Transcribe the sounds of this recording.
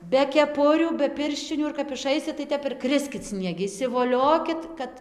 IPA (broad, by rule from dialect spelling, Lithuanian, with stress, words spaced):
bʲɛ kʲɛˈpʊrʲuː bʲɛ ˈpʲɪrʲʃʲt͡ʃʲɪnʲuː ɪr kɐp ɪˈʃɐɪsʲɪt tɐɪ ˈtʲɛp ɪr ˈkrʲɪsʲkʲɪt sʲnʲiɛˈɡʲɪ ɪʃʲsʲɪʋoːˈlʲoːkʲɪt ˈkɐt